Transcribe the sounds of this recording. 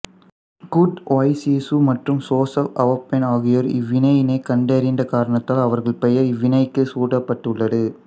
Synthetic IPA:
kuʈoːɪsisumɐʈrɯmsoːsɐɐʋɐpːɐnaːɣɪjɐɾɪ̰ʋːɪnɐjɪnɐɪkɐɳɖeɾɪnd̪ɐkaːɾɐɳɐt̪ːaːlɐʋɐɾɣɐɭpɛjɐɾɪʋːɪnɐɪkːɯsuːʈɐpːɐʈːɯɭːɐðɯ

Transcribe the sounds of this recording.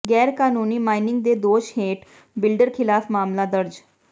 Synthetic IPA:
ɡɛːɾkaːnuːniːmaːinɪŋɡ̚d̪eːd̪oːʃheːʈ | bɪlɖəɾkʰɪlaːpʰmaːmlaːd̪əɾd͡ʒ

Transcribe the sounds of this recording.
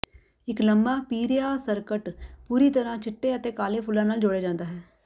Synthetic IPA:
ɪkləmbaːpiːɾjaːsəɾkəʈpuːɾiːt̪əɾãːt͡ʃʰɪʈːeːət̪eːkaːleːpʰʊlːãːnaːld͡ʒoːɽeːd͡ʒãːnd̪aːɦɛː

